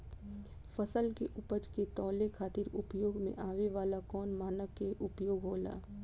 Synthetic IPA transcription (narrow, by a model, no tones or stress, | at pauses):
fəsəlkeʔʊpəd͡ʒket̪ɔːlekʰaːt̪ɪɾʊpjoːɡmḛ̃ʔaːʋeʋaːlakɔːnmaːnəkːeʔʊpjoːɡɦoːla̰ː